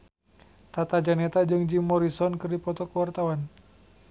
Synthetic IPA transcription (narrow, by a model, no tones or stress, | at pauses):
t̪at̪ad͡ʒanɛt̪ad͡ʒɨŋd͡ʒimːɔɾisɔnkɨrdipɔt̪ɔkəwart̪awan